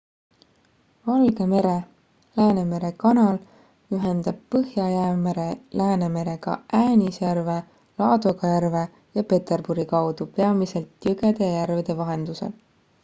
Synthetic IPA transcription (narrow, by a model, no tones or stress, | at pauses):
vɑlɡe̞me̞ɾe̞ | læːne̞me̞ɾe̞kɑnɑl | yɦe̞nd̪̥ɑb̥̚pɤhjɑjæːme̞ɾe̞læːne̞me̞ɾe̞ɡ̥ɑ̰ʔæːnʲisjærve̞ | lɑːd̪oɡɑjærve̞ | jɑpe̞t̪e̞rb̥uɾikɑwd̪upeɑmise̞lt̪jøɡe̞d̪̥ejærved̪̥e̞vɑɦe̞nd̪̥use̞̰l